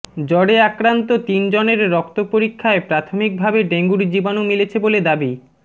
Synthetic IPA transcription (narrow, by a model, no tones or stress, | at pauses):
d͡ʑɔɽeakɾant̪ot̪ind͡ʑoneɾːɔkt̪opoɾikʰːaepɾat̪ʰomik̚bʱabeɖeŋɡuɾd͡ʑibanomilet͡ɕʰeboled̪abi